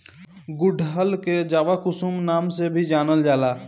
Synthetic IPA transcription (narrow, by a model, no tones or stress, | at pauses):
ɡʊɖʱɦəlked͡ʒaːʋakʊsumnaːmsebʱid͡ʒaːnəld͡ʒaːlaː